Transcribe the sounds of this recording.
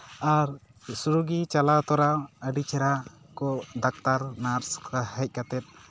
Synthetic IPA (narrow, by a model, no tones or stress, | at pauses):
aɾ | suɾuɡit͡ʃalat̪ɔɾaəɖit͡ʃʰɛɾa | kɔd̪ak̚t̪aɾnaɾskʰəhəc̚ˀkat̪ɛt̪̚